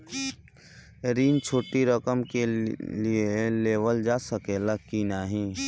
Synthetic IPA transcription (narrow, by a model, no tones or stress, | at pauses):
ɾiːnt͡ʃʰoːʈiɾəkəmkelieleːʋəld͡ʒaːsəkeləkinaːɦĩ